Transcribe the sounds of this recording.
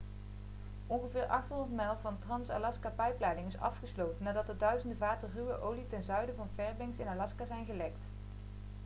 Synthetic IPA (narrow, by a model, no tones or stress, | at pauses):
ɔnχəvɪːɹʔɑχtɦɔndəɹtmɛlˠvɑntrɑnsa̰lɑskapɛjplaːdɪŋɪsɑ̰fχəslowtənːaːdɑtdədœɥzəndəvaːtəryʋəʔowlitɛnzœɥdəvɑnvɛɹbɪŋsɪnalɑskazɛjnɣəlɛkt